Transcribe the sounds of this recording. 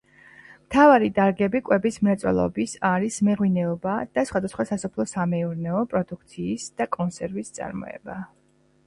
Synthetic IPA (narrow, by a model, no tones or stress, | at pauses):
mt̪ʰavaɾid̪aɾɡɛbikʼwɛbismɾat̪sʼwɛ̰lˠɔ̰bisaɾismɛʁwinɛɔbad̪̥asχwad̪asχwasasɔpʰlˠɔsamɛuɾnɛɔpʼɾɔd̪uk̚ʰt̪sʰiːsd̪̥akʼɔnsɛɾvist̪sʼa̰ɾmɔ̰ɛ̰ba